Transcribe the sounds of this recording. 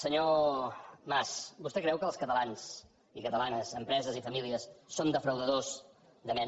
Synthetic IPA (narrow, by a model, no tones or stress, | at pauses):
səɲo | masbust̪ɛkɾɛwkəːlˠskət̪əlans | ikət̪əlanəzəmpɾɛzəzifəmiliəsːond̪əfɾəwðəðoz | d̪əmɛ